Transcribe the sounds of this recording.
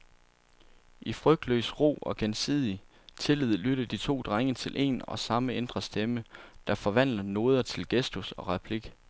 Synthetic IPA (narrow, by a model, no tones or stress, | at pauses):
ʔifʁœɡ̥̚d̥lø̰ːsʁo̝̰ːɒ̽ɡ̥ensḭðˠi | t͡sʰe̝lið̩̰ˠlyɾɐd̥it͡sʰo̝̰ːd̥ʁaŋət͡sʰe̝lʔe̝̰ːnɒ̽sɑ̈məend̥ʁɐsd̥eməd̥ɑ̈fɒ̽ʋæn̰lɐno̝ːð̞ˠɐt͡sʰe̝lɡ̥esd̥usɒ̽ʁɑpʰliɡ̥